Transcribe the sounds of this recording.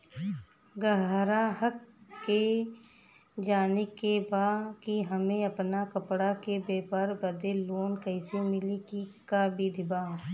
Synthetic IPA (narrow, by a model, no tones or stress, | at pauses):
ɡəɦɾaɦəkːe | d͡ʒaːnekebaːkiɦəmẽɐpnakəpɽakebeːpəɾbəd̪eloːnkəɪsemɪlikikabid̪ʱɪbaː